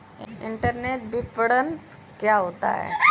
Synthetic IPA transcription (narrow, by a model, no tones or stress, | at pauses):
ɪɪ̃ɳʈəɾneːʈ̚bʱipəɽən | kjaɦoːt̪a̰ɦɛ̰ː